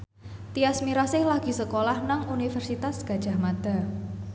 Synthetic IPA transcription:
t̪iasmiɾasɪhlaɡ̥i̤səkolahnaŋunifɛrsit̪asɡ̥a̤d̥ʒ̥a̤hmad̪̥a̤

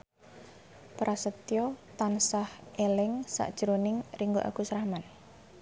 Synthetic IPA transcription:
pɾʔasət̪jɔt̪ansahʔelɪŋsa̰ʔd̥ʒ̥əɾonɪŋriŋɡoʔa̰ɡ̥usɾahman

